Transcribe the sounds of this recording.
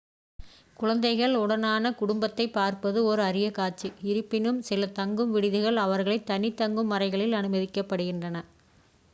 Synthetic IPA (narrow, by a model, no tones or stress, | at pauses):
kʊɻɐnd̪ɐɪɣɐɭʊɽɐnaːnɐkʊɽʊmbɐt̪ːɐɪpːaːɾpɐðɯɔɾɯɐɾɪjɐkaːʈt͡ʃiɪɾɯpːɪnɯmsɪlɐt̪ɐŋɡɯmʋɪɽɪðɯɣɐɭɐʋɐɾɣɐɭɐɪt̪ːɐnɪt̪ːɐŋɡɯmːɐrɐɪɣɐɭɪlɐnɯmɐðɪkːɐpːɐɽɯɣɪndrɐnɐ